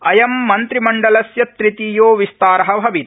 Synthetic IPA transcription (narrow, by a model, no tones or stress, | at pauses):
ɐjɐmːɐnt̪ɾimɐɳɖɐlɐsjɐt̪ɾit̪iːjoːʋist̪aːɾɐɦɐbʱɐʋit̪